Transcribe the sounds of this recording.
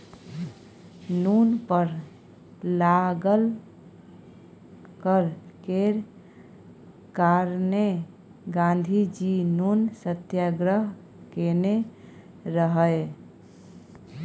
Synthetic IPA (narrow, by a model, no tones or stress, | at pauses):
nunpəɾ | laɡəl | kəɾkeɾ | kaɾne | ɡãnd̪ʱid͡ʒinunsət̪jaɡɾəɦ | kene | ɾəɦəj